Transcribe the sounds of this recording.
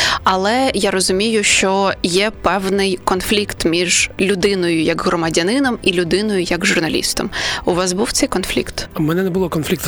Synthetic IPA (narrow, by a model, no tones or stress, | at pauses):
ɐlˠɛjaɾɔzʊmʲijʊʃt͡ʃɔjɛpɛwnɪjkɔnflʲikt̪mʲiʒlʲʊd̪ɪnɔjʊjɐɡɦrɔmɐdʲɐnɪnɔmilʲʊd̪ɪnɔjʊjɐɡʒʊrnɐlʲḭst̪ɔ̰mʊʋɑzbuwt̪sɛjkɔnflʲḭkt̪mɛnɛnɛbʊlˠɔkɔnflʲikt̪